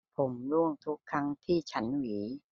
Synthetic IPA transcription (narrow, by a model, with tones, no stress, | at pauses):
pʰo˩˦mɾu˥˩əŋt̪ʰu˦˥kʰːɾa˦˥ŋt̪ʰiː˥˩t͡ɕʰa˦˥nwiː˩˦